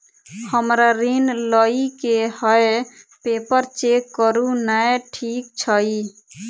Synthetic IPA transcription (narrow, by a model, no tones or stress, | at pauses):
həmɾaɾinləikehəepepəɾt͡ʃekːəɾunəjʈʰik̚t͡ʃʰəi